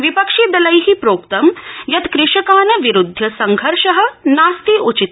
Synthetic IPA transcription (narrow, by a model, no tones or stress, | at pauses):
ʋipɐkʃid̪ɐlɐjɦipɾoːkt̪ɐmjɐt̪kɾɪʃɐkaːnɐʋiɾud̪ʱːjɐsɐŋɡʱɐɾʃɐɦɐ̆naːst̪iut͡ʃit̪